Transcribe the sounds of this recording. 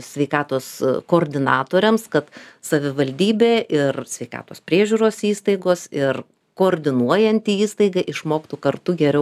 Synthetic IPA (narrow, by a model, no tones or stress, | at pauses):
sʲʋʲɛɪkɑːt̪oːskoːrʲd̪ʲɪnɑːt̪oːɾʲɛmskɐt̪sɐʋʲɪʋɐlʲd̪ʲiːbʲeːʔɪrsʲʋʲɛɪkɑ̰ːt̪oːspʲɾʲiɛʒʲuːɾoːsiːst̪ɐɪɡoːsɪr | koːɾʲd̪ʲɪnuɔjɛnʲt̪ʲiːiːst̪ɐɪɡɐʔɪʃmoːkt̪ukɐrt̪ʊɡʲɛɾʲɛʊ